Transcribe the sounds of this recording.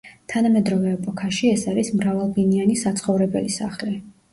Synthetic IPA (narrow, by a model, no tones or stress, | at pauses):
t̪ʰanamɛd̪ɾɔvɛːpʼɔkʰaʃiɛsaɾismɾavalˠbinianisat̪sʰχɔvɾɛbɛ̰lisa̰χlɛ